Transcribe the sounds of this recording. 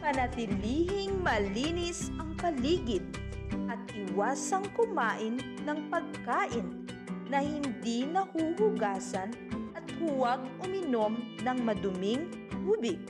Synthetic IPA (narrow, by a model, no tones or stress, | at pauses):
pɐnɐt̪ɪliːhɪŋmɐliːnɪsʔɐŋkɐliːɡɪt̪̚ | ʔɐt̪̚hɪwaːsɐŋkʊmaːʔɪnːɐŋpɐɡ̚kaːʔɪnː | ɐhɪnd̪inɐhuːhʊɡaːsɐnʔɐt̪̚hʊwaɡ̚ʊmɪnomnɐŋmɐd̪ʊmɪŋ | huːbɪk